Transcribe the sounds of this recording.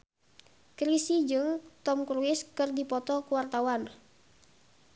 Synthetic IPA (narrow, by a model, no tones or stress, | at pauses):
kɾisid͡ʒɨŋt̪ɔmkɾuɪskɨrdipɔt̪ɔkuwart̪awan